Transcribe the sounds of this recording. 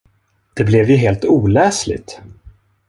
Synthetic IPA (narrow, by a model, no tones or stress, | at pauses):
d̪̥ɛblɛvjɵɦeːlt̪uːlɛːslɪ̰t̪